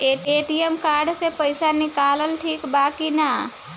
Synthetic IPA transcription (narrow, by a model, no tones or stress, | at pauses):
eʈeʈijemkaɾɖsepəɪsanikaləlʈʰikbakina